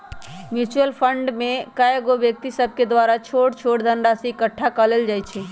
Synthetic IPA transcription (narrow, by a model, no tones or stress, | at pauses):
mjut͡ʃuəlpʰəɳɖmẽkaeɡobjək̚t̪isəb̚ʱked̪ʋaɾat͡ʃʰoːʈt͡ʃʰoʈd̪ʱənɾasiɪkəʈʰːakəleld͡ʒaːjt͡ʃʰi